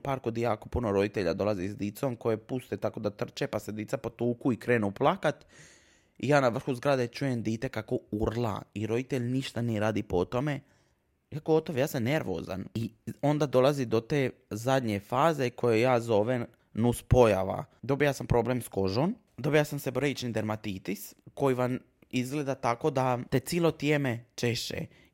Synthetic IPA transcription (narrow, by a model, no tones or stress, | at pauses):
paːɾkod̪jaːko̞punoɾo̞d̪it̪eʎa̰d̪o̞lˠazisd̪it̪so̞mko̞jepust̪et̪ako̞d̪at̪r̩t͡ʃepase̞d̪it̪sapot̪uːkuikɾeːnuplˠakat̪ | ijaːnaʋr̩xuzɡɾad̪e̞t͡ʃuje̞md̪iːt̪e̞kako̞uɾlˠa̰iɾo̞d̪it̪e̞ʎniʃt̪anijeɾaːd̪ipo̞t̪o̞me̞ | jakoot̪oʋjaːsamne̞ɾʋo̰ːza̰nio̞nd̪ad̪o̞lˠazid̪o̞t̪eː | zad̪ɲe̞faːze̞kʰo̞jejaːzo̞ʋe | nuspo̞jaʋa̰d̪o̞bijasampɾo̞ːblemsko̞ʒon | d̪o̞bijasamse̞bɾeit͡ʃnid̪eɾmat̪iːt̪isko̞jiʋam | izɡled̪at̪ako̞d̪at̪e̞t̪siːlˠot̪jeme̞t͡ʃeʃt͡ʃḛ